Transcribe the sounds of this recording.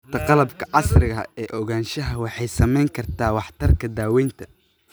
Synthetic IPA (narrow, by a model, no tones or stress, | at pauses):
t̪ʰɐqɑlɐbkʰɐʕɑsrɪɣɐɛːʔɔɣaːnʃɐɦɐwɑħɑjsɐmɛjŋkʰɐrt̪ʰaːwɑħt̪ʰɐrkʰɐd̪aːwɛjnt̪ʰɐ